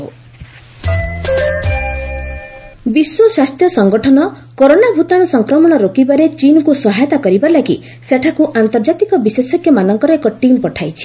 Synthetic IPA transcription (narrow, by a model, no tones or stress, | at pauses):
o | biswɔswast̪ʰjɔsɔŋɡɔʈʰɔnɔ | koɾonabʱut̪aɽ̃ɔsɔŋkɾɔmɔɽ̃ɔɾokibaɾet͡ʃinɔkusɔɦajɔt̪akɔɾibalaɡḭ | seʈʰakuʔant̪ɔɾd͡ʒat̪ikɔbisesɔkjɔmanɔŋkɔɾɔekɔʈimpɔʈʰajt͡ʃʰi̥